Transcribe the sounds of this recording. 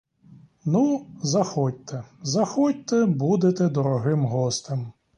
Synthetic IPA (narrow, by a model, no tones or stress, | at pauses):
nuzɐxɔt̚ʲt̪ɛzɐxɔt̚ʲt̪ɛbud̪et̪ɛd̪ɔɾɔɦɪmɦɔst̪em